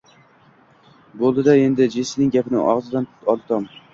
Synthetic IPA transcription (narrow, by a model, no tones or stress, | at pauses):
bolˠd̪ɪd̪ae̞nd̪ɪd͡ʒesɪnɪŋʲɡʲapɪnɪ̰ʔɒ̰ʁzɪd̪ant̪ʰʊ̥t̪ʰɒlˠt̪ʰɒm